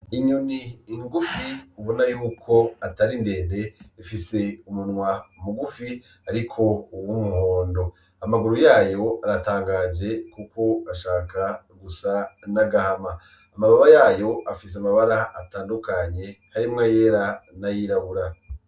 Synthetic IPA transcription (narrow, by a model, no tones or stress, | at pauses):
iɲuniːŋɡufiuβunajuːkʰo̞ataɾinde̞ːnde̞ifise̞umunŋwaumuɡufi | aɾikʰo̞uwumuho̞ːndo̞ | amaɡuɾujaːjo̞aɾataːŋɡad͡ʒe̞kukʰo̞aʃaːka | ɡusanaɡahamaː | maβaβajaːjo̞ʔafis̬amaβaɾaataːndukaɲe̞haɾimŋaje̞ːɾanajiɾaβuɾa